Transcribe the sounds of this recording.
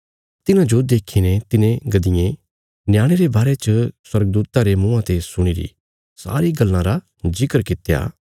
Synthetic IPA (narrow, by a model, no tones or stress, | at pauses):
t̪ɪnãd͡ʒod̪eːkʰinet̪ɪnẽɡɐd̪ɪjẽ | njaːɽ̃eɾebaːɾet͡ʃəswɐɾɡ̚d̪uːt̪aɾemũːãt̪esʊɽ̃iɾḭ | sa̰ːɾiɡɐlːãɾa | zɪkəɾkɪt̪ja̰ː